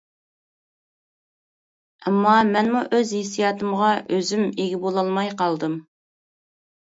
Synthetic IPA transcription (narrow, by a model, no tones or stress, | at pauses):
ɛmːɑmɛnmuʔøzesijɑːt̪ɨmʁɑʔøzymeɡʲibolˠɑlˠmɑjqɑlˠd̪ɨm